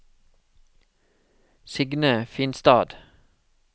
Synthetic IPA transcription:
sɪɡnəfiːnst̪ɑːd̪

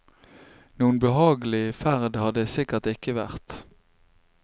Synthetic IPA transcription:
nuːənbəhɑːɡəlɪfæʁd̪hɑd̪əsɪkəʁt̪ɪkəʋæʁt̪

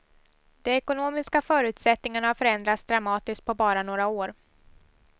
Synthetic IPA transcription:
d̪̥ɛɛkʊnoːmɪskafœːɾʉ̟ːt̪sɛt̪nɪŋanahaɾfœɾɛnd̪ɾat̪sd̪ɾamɑːt̪ɪskt̪̚pʰɔbɑːɾanoːɾaoːɾ

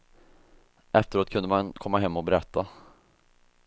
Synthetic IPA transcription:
ʔɛft̪əɾoːt̪̚kʰɵnd̪əmankʰɔmːaɦɛmːɔbɛɾɛt̪ʰːa

